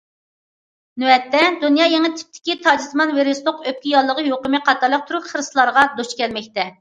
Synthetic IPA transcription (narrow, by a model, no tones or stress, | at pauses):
nuɛt̪ːɛd̪unjɑːjɛŋɨt̪ʰɪ̥p̚t̪ʰɪ̥kʲit̪ʰɑd͡ʒɪsmɑnveɾest̪oqøp̚kʲijɑlˠːəʁəjoqəmɨqʰɑt̪ʰɑɾlˠəq̚t̪ʰuɾupχəɾɨslˠɑɾʁɑd̪oʃkʲɛlmɛk̚ʲt̪ɛ